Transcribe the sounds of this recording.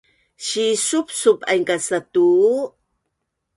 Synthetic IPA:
ɕisup̚supajŋkasat̪u

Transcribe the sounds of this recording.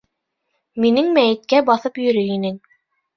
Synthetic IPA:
minɘŋmæjɘ̆t̪̚kæbɑθɤpjɵ̆ɾɵinɘŋ

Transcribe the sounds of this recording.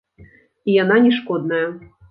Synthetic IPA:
ijananʲɛʂkɔd̪nɐjɐ

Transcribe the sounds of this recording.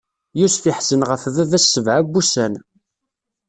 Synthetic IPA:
jusfiħsənʁəfvævæsːəvʕabːusæn

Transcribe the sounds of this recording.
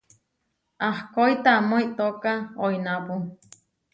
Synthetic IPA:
ahkoit̪amoiʔt̪okaoinapu

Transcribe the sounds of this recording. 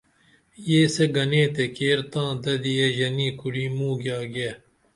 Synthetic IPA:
jeːseɡɐneːt̪ekeːɾt̪ãːd̪ɐd̪ieʑɐniːkuɽiːmũːɡjaːɡeː

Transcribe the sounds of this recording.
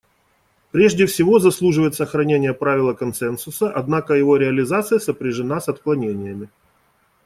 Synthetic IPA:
pɾʲeʐdʲɪfsʲɪvo̞zɐslˠuʐɨvəjɪt̪səxɾɐnʲenʲɪjəpɾavʲɪlˠəkɐnsɛnsʊsəʔɐd̪nakəjɪvo̞ɾʲɪɐlʲɪzat̪sɨjəsəpɾʲɪʐɨnasɐt̪klˠɐnʲenʲɪjəmʲɪ

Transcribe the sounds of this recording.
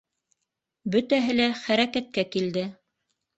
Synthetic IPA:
bɵ̆t̪æɦɘlæχæɾækæt̪̚kækild̪ɘ

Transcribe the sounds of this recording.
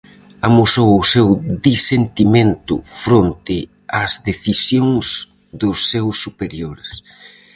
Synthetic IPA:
amusowʊsewd̪isent̪imẽnt̪ʊ̰fɾont̪ɪ | azðeθisjoŋz | ðʊsːewsːupeɾjoɾes

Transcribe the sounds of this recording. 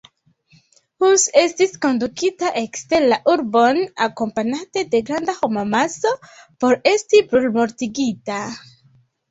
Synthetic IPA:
huse̞stisko̞nd̪ukitaʔekst̪elaʔuɾbo̞nakompaɲat̪e̞de̞ɡɾand̪axomamaso̞po̞ɾe̞stibɾulmoɾt̪iɡita

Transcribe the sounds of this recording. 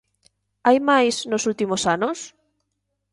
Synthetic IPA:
ajmajsnosult̪imosanos

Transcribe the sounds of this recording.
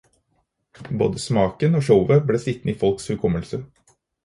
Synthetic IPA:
bo̰ːd̪əsmɑːkənoːʂəʊʋəbleːsɪt̪nəiːfɔlkshʉlkʰɔməlsə

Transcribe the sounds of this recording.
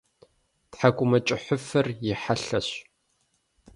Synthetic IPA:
tħakʷʼʊmɐt͡ʃʼɪħʷʊfɐrjɪħaɬɐɕ

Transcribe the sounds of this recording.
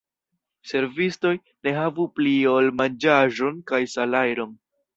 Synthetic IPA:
se̞ɾvisto̞j | ne̞ɦavuplio̞lmand͡ʒaʒo̞nkajsalajɾo̞n

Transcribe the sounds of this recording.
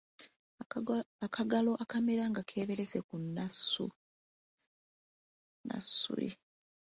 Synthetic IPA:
akʰaɡalo̞ʔakameɾaŋɡakʰe̞ːβe̞ɾe̞zekunːasṵ | na̰sṵḭ

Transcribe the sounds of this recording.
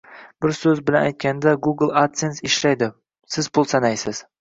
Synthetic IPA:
b̥ɪɾsɵzbɪlana̰jt̪̚kʲand̪aɡuɡlˠat̪sensɪʃlajd̪ɪ | sɪz̥pʰʊlˠsanajsɪz̥

